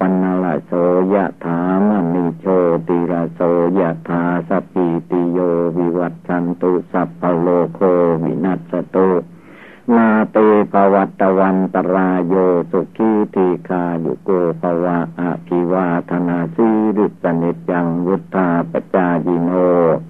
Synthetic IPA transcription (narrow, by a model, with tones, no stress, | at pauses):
pa˧nːa˧la̰˧soː˨˦ja˧ʔt̪ʰaː˨˦ma˧ni˧t͡ɕʰoː˧t̪i˧la˧soː˨˦ja˧ʔt̪ʰaː˨˦sa˧pʰːi˧t̪i˧joː˧wi˧wa˧t̪̚t͡ɕʰa˧nt̪u˧ʔsa˧pʰːa˧loː˧kʰoː˧wḭ˧˨na˧t̪̚sa˧t̪u˧ʔ | maː˧t̪eː˧pʰa˧wa˧t̪ːa˧wa˧nt̪a˧ɾaː˧joː˧su˧kʰːi˧˥˨t̪ʰiː˧kʰaː˧jṵ˧˨koː˧pʰa˧wa˧ʔa̰˧ʔpʰi˧waː˧t̪ʰa˧naː˧si˦˧˦ɾi˧t̪̚sa˧ni˧t̪̚ja˧ŋwu˦t̪ʰːa˧pa˧t͡ɕaː˧ji˧noː˧